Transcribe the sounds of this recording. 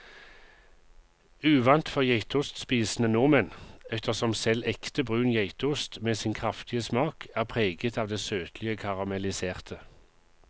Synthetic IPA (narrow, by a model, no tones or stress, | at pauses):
ʉːʋɑnt̪fɔʁjæɪt̪ʊst̪spiːsnənʊmənɛt̪əʁsɔmsɛlɛkt̪əbʁʉːnjæɪt̪ʊst̪meːsɪnkʰʁɑft̪ɪəsmɑːkʰæːʁpʰʁeːɡət̪ɑːʋd̪eːsøːt̪ʰlɪəkʰɑʁɑmɛlɪseːʁt̪ʰə